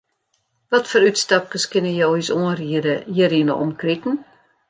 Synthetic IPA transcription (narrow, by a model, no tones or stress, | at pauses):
ʋɔtfoːɾytstɑp̚kəskɪnəjowisoənriədəjəriənə̰ʔɔ̰mkrikn̩